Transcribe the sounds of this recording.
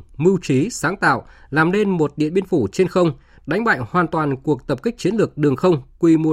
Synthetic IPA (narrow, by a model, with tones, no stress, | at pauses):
mɨ˧wt͡ɕi˨˦saː˨˦ŋt̪a̰ː˧˨w | laː˨˩mle˧nmo˨˩t̚ɗḭ˧˨ənɓi˧ənfu˧˩t͡ɕe˧nxə˧wŋ͡m | ɗa˨˦jŋ̟ɓa̰ː˧˨ŋhwaː˨˩nt̪waː˨˩nku˨˩ək̚t̪ə˨˩p̚kï˦˥k̚t͡ɕi˨˦ənlɨ˨˩ək̚ɗɨ˨˩əŋxə˧wŋ͡mkwi˨˧˩m˨˧˩